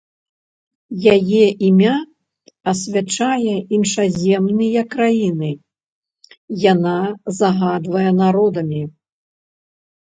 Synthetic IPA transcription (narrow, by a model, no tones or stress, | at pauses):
jajɛʔimʲa | ɐsʲvʲat͡ʂajɛʔinʂazʲɛmnɨjɐkːɾajinɨ | janazaɣad̪vɐjɛnaɾɔd̪ɐmʲi